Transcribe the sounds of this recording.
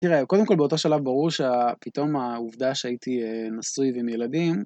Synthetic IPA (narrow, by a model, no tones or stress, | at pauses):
t̪iʁeko̞d̪emko̞lbeo̞to̞ʃalavbaʁuʁʃeapito̞mauvd̪aʃeait̪ʰienasujveimjelad̪im